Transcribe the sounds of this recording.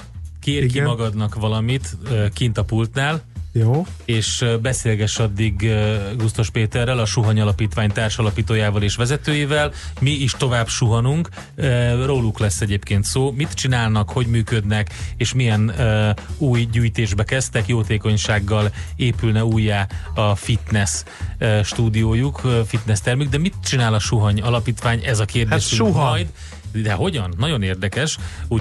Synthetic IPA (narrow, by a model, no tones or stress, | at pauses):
keːrkimɒɡɒd̪nɒkʋɒlɒmit̪ːkint̪ɒpult̪naːljoeːʃbɛseːlɡɛʃɒd̪ːiɡɡust̪o̞ʃpeːt̪ɛrːɛlɒʃuɦɒɲɒlɒpiːt̪ʋaːɲt̪aːrʃɒlɒpiːt̪oːjaːvɒleːʃʋɛzɛt̪øːjeːvɛlmiiʃt̪o̞vaːbʃuɦɒnuŋkː | roːlːuklɛsːɛɟeːpkeːnt̪soːmit̪t͡ʃinaːlnɒkho̞ɟmyːkød̪nɛkeːʃmijɛn | uːjɟyːjt̪eːʒbɛkɛst̪ɛkjoːt̪eːko̞ɲʃaːɡːɒleːpylnɛuːjːaːɒfit̪nɛs | øʃt̪uːd̪ioːjukfit̪nɛst̪ɛrmyɡ̚d̪ɛmit̪t͡ʃinaːlɒʃuɦɒɲɒlɒpiːt̪ʋaːɲʔɛzɒkeːrdʃujd̪ | d̪ɛɦo̞ɟɒnːɒɟo̞neːrd̪ɛkɛʃu